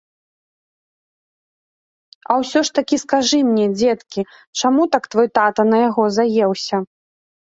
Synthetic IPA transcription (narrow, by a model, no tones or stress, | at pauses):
ɐwsʲɔʂt̪akʲiskaʐɨmnʲɛd͡zʲɛt̪kʲi | t͡ʂamut̪akt̪vɔjt̪at̪ɐnɐjaɣɔzajɛwsʲɐ